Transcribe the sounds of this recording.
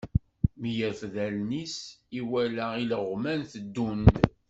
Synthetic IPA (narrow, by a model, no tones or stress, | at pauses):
mijæfðælnisiwælæiləʁmænθəd̪ːund̪